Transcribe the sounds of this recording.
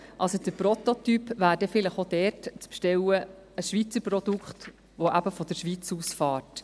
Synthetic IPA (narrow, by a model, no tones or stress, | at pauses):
ʔɑlsod̥əɾpɾɔt̪ot̪ypʋæːɾdɛfɪləχod̥ɛɾtt͡spʃtɛwə | əsʃʋit͡səɾprɔd̪ukχt̪ | ʋoʔæbəfɔd̥əɾʃʋit͡suːsfɑːrt